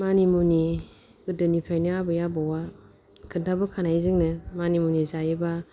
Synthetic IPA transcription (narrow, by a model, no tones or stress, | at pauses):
manimuni | ɯdɯnipʰajnaabɯjabɔwa | kʰɯntʰabɯkʰanajzɯŋnɯmanimunizajeba